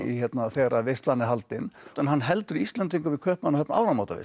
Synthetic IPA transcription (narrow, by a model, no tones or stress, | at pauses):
ḭçɛt̪naθɛːɣɾavɪst̪lanːɪɦalt̪ɪnɛnhanːɦɛlt̪ʏɾiist̪lɛnt̪iŋkʏvikʰœːhpmanːahœpna̰wɾamawt̪avɪ̰